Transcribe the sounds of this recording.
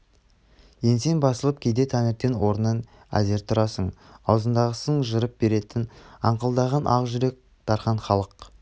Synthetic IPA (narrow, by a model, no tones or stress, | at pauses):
je̞nse̞nbɑsəlˠəp̚kʲʰejd̪e̞t̪ʰænɪɾt̪enwo̞ɾənɑn | æ̰ze̞ɾt̪ʰʊɾɑsəɴɑwzənd̪ɑʁəsəɴʒəɾəp̚be̞ɾe̞t̪ɪnɑɴqəlˠd̪ɑʁɑnʔɑ̰ʁʒʏɾe̞k̚ | t̪ɑɾχɑɴχɑlˠəq